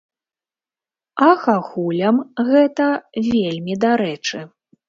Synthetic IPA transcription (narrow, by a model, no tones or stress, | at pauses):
ɐxaxulʲɐmɣɛt̪ɐvʲelʲmʲid̪aɾɛt͡ʂɨ